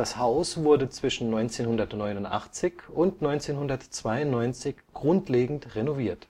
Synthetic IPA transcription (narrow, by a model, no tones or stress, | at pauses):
d̥ashaʊsv̥ʊɐdət͡sv̥ɪʃn̩nɔʏnt͡seːnhʊndɐtnɔʏnʊntʔa̰χt͡sɪçʊntnɔʏnt͡seːnhʊndɐtt͡sv̥aɪʊntnɔʏnt͡sɪçɡ̥ʁʊntleːɡŋ̩tʁenoviːɐt